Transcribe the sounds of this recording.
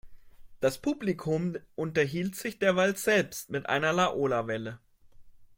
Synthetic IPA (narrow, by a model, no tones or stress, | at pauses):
d̥aspʰublikʰʊmʔʊntɐɦiːltz̥ɪçd̥eːɐvaltz̥ɛlpstmɪtʔa̰ɪnɐlaʔoːlavɛlə